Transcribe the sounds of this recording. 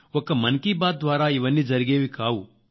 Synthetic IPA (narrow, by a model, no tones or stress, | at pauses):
ɔkːɐmɐnkiːbaːd̪̚d̪ʋaːɾaːiʋɐnːid͡ʒɐɾiɡeːʋikaːwu